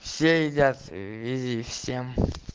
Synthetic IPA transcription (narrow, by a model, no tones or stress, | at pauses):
fsʲeid̪ʲat̪vʲizʲifsʲem